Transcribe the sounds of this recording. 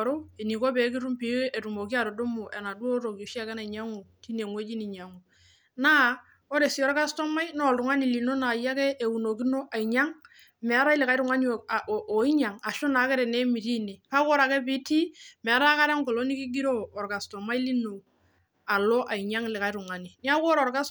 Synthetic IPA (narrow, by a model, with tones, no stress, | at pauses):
ɾo˦e˨ni˨ko˦be˨˦ki˦ɾu˦mpi˨˦e˨ɾu˨mo˨ki˦a˨ɾo˨do˦mo˨ʔe˨na˨du˦o˦ɾo˨ki˨ʃa˦kɛ˦na˨i˨ɲa˦ŋo˨ti˦ne˨ŋwo˦d͡ʒi˦ni˨ɲa˨ŋo˨ | na˦ | o˦ɾe˨si˦ɔ˦ɾka˦sto˦ma˦jno˦˨ltu˨ŋa˦ni˨li˨no˦na˨ja˦ke˦ʔe˨wu˨no˨ki˦no˦ʔa˨i˨ɲa˦ŋ | mɛ˨a˦ɾa˦i˦lɪ˨ka˨i˦ɾu˨ŋa˦ni˨ʔo˨i˦ɲa˨ŋa˨ʃo˦na˨˦kɛ˦ɾɛ˨ne˦mi˨ɾi˦ne˨ka˦ko˦ɾa˨ke˦pi˦ti˦mɛ˨a˦ɾa˦ka˦ɾe˦ŋ˦ko˨lo˦ni˦ki˦ɡi˦ɾoː˦˨ɾka˨sto˨ma˦i˦li˦no˨ | a˨lo˦ʔa˨i˨ɲa˦ŋlɪ˨ka˨i˦ɾu˨ŋa˨ni˨ni˦a˦ko˦ɾɔ˨ɾka˦s